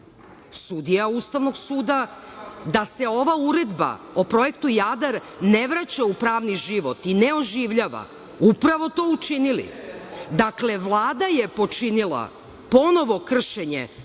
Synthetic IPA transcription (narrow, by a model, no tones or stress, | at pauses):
sud̪ijaust̪aʋno̞ɡsuːd̪ad̪ase̞o̞ʋauɾe̞d̪ba̰ | opɾo̞je̞kt̪ujad̪aɾ | neʋɾat͡ɕaupɾaːʋniʒiʋot̪ineo̞ʒiːʋʎaːʋa̰ | upɾaʋo̞t̪o̞ːut͡ʃinilḭd̪akle̞ʋlˠaːd̪aje̞po̞t͡ʃinilˠa̰ | po̞no̞ʋo̞kr̩ʃeɲḛ